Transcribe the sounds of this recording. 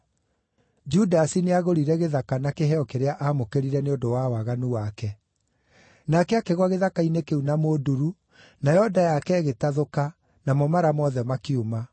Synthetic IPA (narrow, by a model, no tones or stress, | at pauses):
d͡ʒudasineaɣoɾiɾɛɣeðakanakeɦɛɔkeɾeaʔaːmokeɾiɾɛneodowawaɣanuwakɛ | nakɛakeɣwaɣeðakainekeunamoduɾu | najɔdajakɛːɣetaðoka | namɔmaɾamɔðɛmakiuma